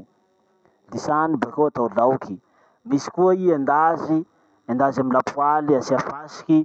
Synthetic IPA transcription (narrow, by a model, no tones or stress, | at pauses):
d̪isanibakoat̪awlawki | misi̥kuaiend̪azi | end̪azaminlapualiasiafasi̥ki